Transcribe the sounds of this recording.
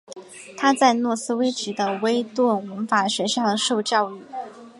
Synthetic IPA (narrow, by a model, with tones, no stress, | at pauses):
t̪ʰa˥t͡sa˥˧ɪnwɔ˥˩sɹ̩˥we˥ɪt͡ɕi˧˥d̪ə˧we˥ɪt̪wə˥˩nwə˧˥nfa˨˩ɕɥɛ˧˥ʂɑ˥˩ŋʂo˥˧ʊt͡ɕjɑ˥˧ʊy˥˩